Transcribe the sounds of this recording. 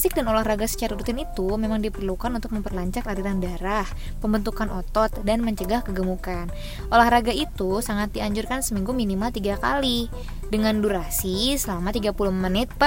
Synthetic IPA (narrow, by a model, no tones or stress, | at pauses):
sɪk̚danolahraɡasə̥t͡ʃaɾaɾut̪ɪnit̪umemaŋdipərlukanunt̪ʊk̚məmpərlaɲt͡ʃak̪aɾiɾandaɾah | pəmbənt̪ukanʔɔt̪ɔt̪̚danməɲt͡ʃəɡahkəɡəmukan | ʔolahɾaɡait̪usaŋat̪̚diaɲd͡ʒurkansəmiŋɡuminimalt̪iɡaka̰li | dəŋanduɾasisəlamat̪iɡapulʊhmənɪt̪̚pa